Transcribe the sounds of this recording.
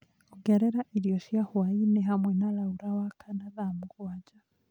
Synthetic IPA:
uɡɛɾɛɾaʔiliɔʃiahwainɛɦamwɛnalauɾawakʰanaðamukwad͡ʒa

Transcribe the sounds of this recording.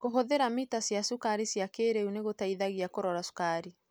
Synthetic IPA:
koɦoðeɾamitasjasukaɾisjakeːɾɛuneɣotaiðaɣiakoɾɔɾasu̥kaɾi

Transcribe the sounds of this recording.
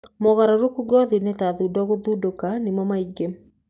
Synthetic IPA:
mɔɣaɾaɾokuɡɔðinɛtaðudɔɣoðudokanɪmɔmaiɡem

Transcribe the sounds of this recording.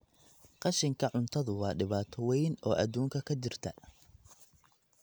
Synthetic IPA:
qɑʃɪŋkʰɐʕʊnt̪ʰɐðʊwɑːɖɪβaːt̪ʰɐwɛjnɔːʔɐd̪uːŋkʰɐkʰɐd͡ʒɪrt̪ʰɐ

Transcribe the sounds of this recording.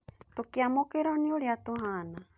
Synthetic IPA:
t̪okiamokeɾɔnioɾiat̪oɦana

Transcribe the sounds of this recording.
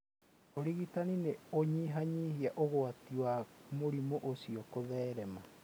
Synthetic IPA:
oɾiɣitanineoɲiɦaɲihiaʔoɣoatiwamoɾimoʔosiɔkoðɛːɾɛma

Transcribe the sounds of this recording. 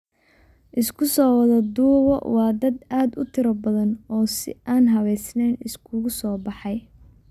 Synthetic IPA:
ʔɪskʰʊsɔːwɐðɐd̪uːwɔ̰wɑːd̪ɐd̪aːd̪ʊt̪ʰɪɾɐbɐðɐnɔːsɪ̰ʔaːnɦɐβɛjsnɛːnɪskʰʊɣʊsɔːbɑħɑj

